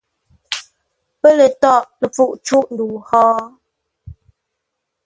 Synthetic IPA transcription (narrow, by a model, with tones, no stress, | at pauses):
pə˦lə˨tɔ˦˨ʔlə˨p͡fu˦˨ʔt͡ʃu˦˨ʔn̩du˨hɔ˦